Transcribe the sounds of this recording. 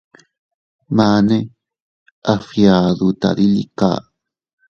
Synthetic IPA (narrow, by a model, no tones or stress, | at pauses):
mane | ʔafjaðut̪a̰ɾilḭka̰ː